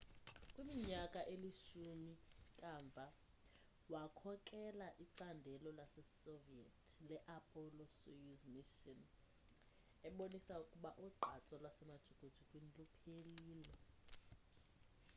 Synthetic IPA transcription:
kʼwimiɲakʼaʔeliʃumikʼaːɱb̪vʱa | wakʰɔkʼɛlaʔiǀandʱɛlɔlasɛsovietʰilɛʔapʰʼɔlɔsujuzmiʃɔn | ɛɓonisaukʼuɓaʔuɡ͡ǃʱat͡sʼɔlwasɛmad̥ʒ̥ʱukʼud̥ʒ̥ʱukʼwinilupʰeliːlɛ

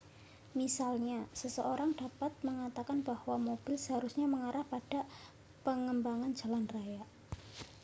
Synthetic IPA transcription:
misalɲasəsəoɾaŋd̥apat̪̚məŋat̪akanbahwamob̥ɪlsəɦaɾusɲaməŋaɾahpaɖ̥a̤ | pəŋəmbaŋand͡ʒa̤lanraja

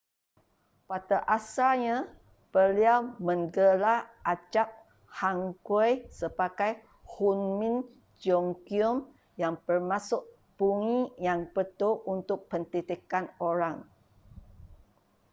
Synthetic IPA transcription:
pat̪aʔasaɲã | pəliawmə̃ŋɡəlaʔad͡ʒap̚ | haŋkəjsəbaɡaj | hunmĩn | d͡ʒɔŋkiɔm | jaŋbərmasʊʔ | b̥uŋijaŋpət̪oʔunt̪ʊk̚pənt̪it̪ikanoɾaŋ

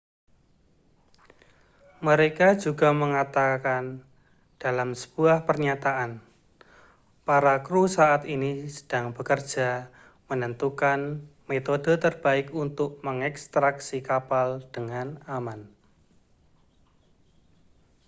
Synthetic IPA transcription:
məɾekad͡ʒuɡa̤məŋat̪akan | d̥alamsə̥b̥uahpərɲat̪aʔan | paɾakɾusaat̪inisə̥d̥aŋbəkər̥d͡ʒ̥a | mənənt̪ukanmet̪odət̪ərb̥aɪkunt̪ʊk̚məŋɛkst̪ɾaksikapald̥əŋanaman

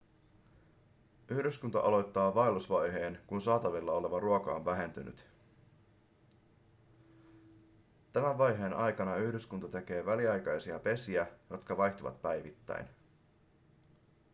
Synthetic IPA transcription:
yhdyskunt̪ɑ̰ʔɑlo̞jt̪ːɑːʋɑjlusʋɑjɦe̞ːnkunsɑːt̪ɑʋilːɑo̞le̞ʋɑruokɑonʋæɦe̞nt̪yny̰t̪ | t̪æmæʋʋɑjɦe̞ːnʔɑjkɑnɑyhdyskunt̪ɑt̪e̞k̟e̞ːʋæliɑjkɑjsiɑpe̞siæjo̞t̪kɑʋɑjt̪oʋɑ̰t̪pæjʋit̪ːæ̰jn

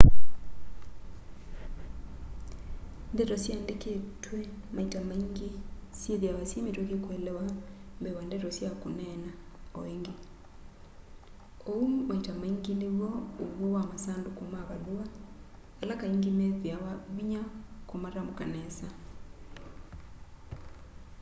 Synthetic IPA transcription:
ndetosjandeketwe | maitamaiŋɡisjeβjaβasjemetwekekwelewambeβwandetosjakunenaoiŋɡi | owumaitamaiŋɡiniβouβowamasaːndukumaβalua | kalakaiŋɡimeβjaββiɲakumaɾamukanesa

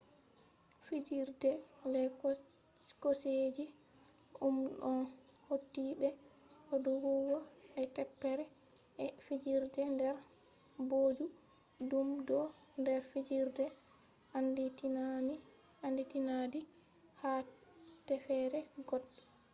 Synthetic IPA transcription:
fid͡ʒiɾdɛlɛ | kosed͡ʒi | ʔumɗɔn | hotːibɛ | hɔdɔwuwɔʔɛtɛpːɛɾɛ | ɛfid͡ʒiɾdɛndɛɾ | boːd͡ʒu | dumdɔ | ndɛɾfid͡ʒiɾdɛ | ʔandi | anditinadi | hatɛfɛɾɛɡɔdːɔ

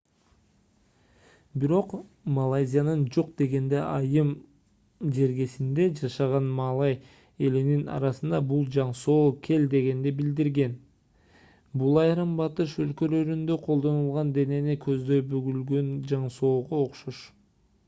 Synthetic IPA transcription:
biɾo̞q | mɐlˠajzʲijanɯnd͡ʒo̞q̚d̪e̞ɡe̞nd̪e̞ʔɑjɯm | d͡ʒe̞ɾɡe̞sind̪e̞d͡ʒɑʃɑʁɑnmɑlˠɑj | e̞lininɑ̰ɾɑsɯnd̪ɑbulˠd͡ʒɑɴso̞ːkʲʰe̞ld̪e̞ɡe̞nd̪ebild̪iɾɡe̞n | bulˠɑjɾɯmbɑt̪ɯʃølkø̞lø̞ɾynd̪ø̞qʰolˠd̪o̞nulˠʁɑnd̪e̞ne̞nikʰø̞zd̪ø̞jbøɡylɡønd͡ʒɑɴso̞ːʁooqʃoʃ

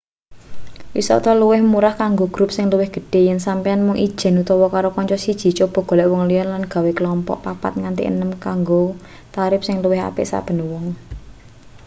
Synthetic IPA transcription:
wḭsɔ̰ʔt̪ɔluwɪhmuɾahkaŋɡoɡ̥ɾup̚sɪŋluwɪhɡ̥ə̤̥ɖ̥e̤jɛnsampijanmʊŋʔi̥ʒ̥ɛ̤nut̪ɔwɔkaɾokɔɲt͡ʃɔsid̥ʒ̥i̤t͡ʃob̥ɔ̤ɡ̥ɔ̤lɛʔwɔŋlijɔnlanɡ̥a̤wekəlɔmpɔ̰ʔpapa̰t̪̚ŋant̪ḭʔə̰nəmkaŋɡo | t̪aɾɪp̚sɪŋluwɪɦa̰pɪ̰ʔsa̰b̥ə̤nwɔŋ

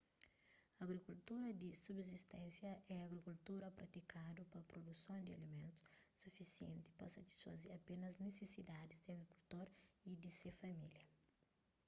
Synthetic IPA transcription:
ɐɡɾikult̪uɾɐd̪isubzist̪ɛ̃nsjɐʔɛɐɡɾikult̪uɾɐpɾɐt̪ikad̪upɐpɾod̪usõw̃d̪iɐ̰limẽnt̪u̥s | sufisiḛ̃nt̪i̥pɐsɐt̪i̥sfɐ̰zeɾɐpenɐznesesid̪ad̪izd̪iɐɡɾikult̪oɾid̪isefɐmiljɐ

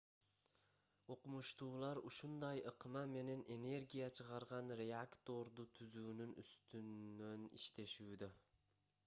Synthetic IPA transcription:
o̞qumuʃt̪uːlˠɑɾuʃund̪ɑjɯqmɑme̞ne̞ne̞ne̞ɾɡʲijat͡ʃʰɯʁɑɾʁɑnɾʲe̞akt̪o̞ɾd̪ut̪ʰyzuːnynyst̪ynːønḭʃt̪e̞ʃuːd̪ø

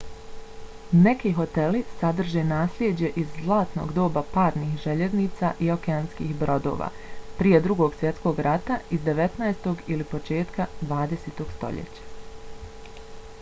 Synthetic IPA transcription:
ne̞kiɦo̞t̪e̞lisad̪r̩ʒenaːslʲjed͡ʑe̞ʔizzlˠaːt̪no̰ɡd̪o̞ːbapaːɾnixʒeʎe̞zniːt̪saʔiokeaːnskḭːxbɾo̞d̪o̞̰ːʋa̰ː | pɾije̞d̪ɾuɡo̞ːɡsʋje̞t̪sko̞ːɡɾʔat̪aizd̪e̞ʋe̞t̪naest̪o̞ɡilipo̞t͡ʃe̞ːt̪kad̪ʋaːd̪eseːt̪o̞ːɡ̥st̪o̞̰ʎḛt͡ɕḁ

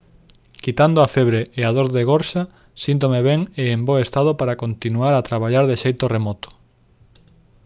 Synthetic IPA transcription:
kit̪and̪oafɛβɾeeaðoɾðeɣɔɾʃa | sint̪̬omeβɛŋeːmboest̪að̞opaɾakont̪inuaɾat̪ɾaβaʎaɾðeʃejt̪oremɔt̪o̥

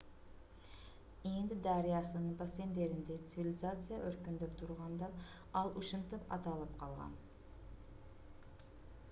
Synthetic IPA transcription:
end̪ɪd̪ɑɾijɑsɨnɯɴbase̞nd̪e̞ɾɪnd̪et̪sɨvʲilʲɪzat̪sɨjaʔøɾkynd̪øpt̪ʰuɾʁɑnd̪ɑ | ɑlˠʔuʃɨnt̪ɯpɑ̰t̪ɑlˠɯpqʰɑlˠʁɑ̰n

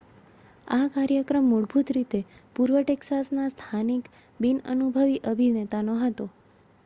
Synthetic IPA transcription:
akaɾjəkɾəmːuɽbʱut̪ɾit̪epuɾʋəʈeksasnast̪ʰanik | binə̰nubʱəʋiʔəbʱinet̪anoɦət̪o

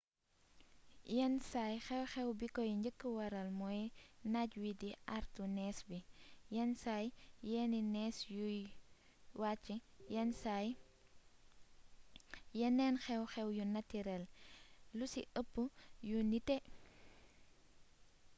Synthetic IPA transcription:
ɛnsajxɛwxɛwbikɔjɲd͡ʒəkːəwɐɾɐlmɔjnaɟwidiʔaɾtunɛːsbijɛnsajjɛːninɛːsjuj | waːt͡ʃːijɛnsaj | jɛnɛnxɛwxɛwjunɐtːiɾɛllusiʔəpːujunitɛ

